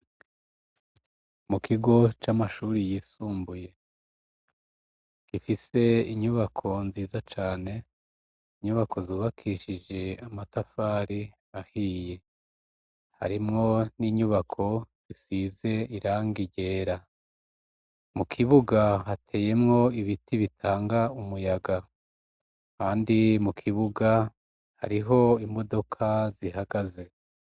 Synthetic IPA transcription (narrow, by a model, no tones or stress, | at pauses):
mukʰiɡo̞t͡ʃamaʃuːɾijiːsuːmbuje̞ | kifise̞iɲuβakʰo̞nziːzat͡ʃaːne̞ | iɲuβakʰo̞zuːβakʰiʃid͡ʒe̞amatafaːɾi | ahiːje̞ | ha̰ɾimŋo̞niɲuβakʰo̞z̥isiːze̞iɾaːŋɡiɟe̞ːɾa | mukʰiβuɡaɦatʰe̞ːje̞mŋo̞iβitʰiβitʰaːŋɡaumujaɡa | kaːndimukʰiβuɡa | ha̰ɾiɦo̞imo̞do̞kʰaziɦaɡaze̞